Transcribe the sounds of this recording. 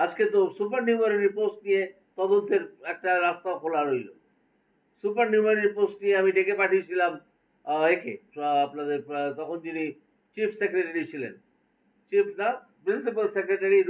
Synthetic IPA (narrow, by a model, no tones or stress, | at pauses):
asket̪̬osup̬əɾnjuməɾniposʈ̚nije | t̪ɔd̪unt̪ʰeɾek̚ʈaɾast̪aʋkʰolaɾoilo̰ | supəɾnuməɾniposʈnijeamiʈekepaʈʰiɕilam | ekʰḛːplad̪et̪ɔkont̪ini | t͡ʃiːfʰsekɾeʈeɾiɕilḛn | t͡ɕiːfna | bilsip̬əlsekɾeʈəɾi